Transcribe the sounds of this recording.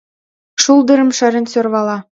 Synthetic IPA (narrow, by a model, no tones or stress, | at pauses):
ʃulˠd̪ɤ̆ɾɤ̆mʂɑɾʲɘ̆nʲsʲorβɑlˠɑ